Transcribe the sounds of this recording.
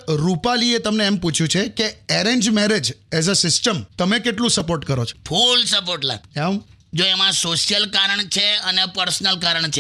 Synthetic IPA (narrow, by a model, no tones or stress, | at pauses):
ɾupaliet̪əmneːmput͡ʃʰjũt͡ʃʰekeɛɾeɲd͡ʒmɛɾed͡ʒɛzəsɪsʈəmt̪əmekeʈlũsəpoɾʈkəɾot͡ʃʰo̥fʰulsəpoɾʈla̰ɡɛm | d͡ʒoemãsoʃijəlkaɾəɳ̃t͡ʃʰeənepəɾsnəlkaɾəɳt͡ʃʰe